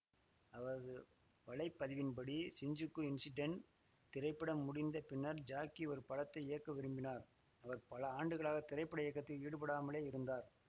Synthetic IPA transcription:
ɐʋɐɐðɯ | ʋɐɭɐɪpːɐðɪʋɪnpɐɽisɪɲd͡ʒɯkːɯɪnsɪɖɐɳ | t̪ɪɾɐɪpːɐɽɐmʊɽɪnd̪ɐpɪnːɐɾd͡ʒaːkːiɔɾɯpɐɻɐt̪ːɐɪɪjɐkːɐʋɪɾɯmbɪnaːɾ | ɐʋɐɾpɐlɐaːɳɖɯɣɐɭaːɣɐt̪ɪɾɐɪpːɐɽɐɛːkːɐt̪ːɪliːɽɯpɐɽaːmɐɭeːɪɾɯnd̪aːɾ

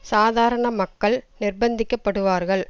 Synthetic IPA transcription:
saːðaːɾɐɳɐmɐkːɐɭnɪrbɐnd̪ɪkːɐpːɐɽɯʋaːɾɣɐɭ

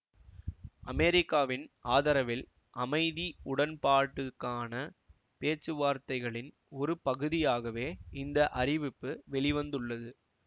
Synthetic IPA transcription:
ʔɐmɛɾɪkːaːʋɪnʔaːðɐɾɐʋɪl | ʔɐmɐɪðiʊɽɐnpaːʈːɯkːaːnɐ | peːt͡ʃːɯʋaːɾt̪ɐɪɣɐɭɪn | ɔɾɯpɐɣɯðɪjaːɣɐʋeːɪnd̪ɐʔɐrɪʋɪpːɯʋɛɭɪʋɐnd̪ɯɭːɐðɯ

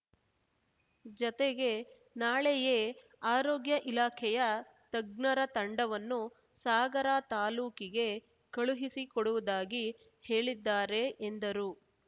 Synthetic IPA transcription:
d͡ʒɔt̪eɡe̞ | naːɭɛjeː | aːɾoːɡjɐʔilaːkʰɛjɐ | t̪ɐɡnɐɾɐt̪ɐɳɖɐʋɐnːu | saːɡɐɾaːt̪aːluːkiɡe̞ | kɐɭuɦisikɔɽuʋud̪aːɡi | he̞ːɭid̪ːaːɾe̞ʔend̪ɐɾu

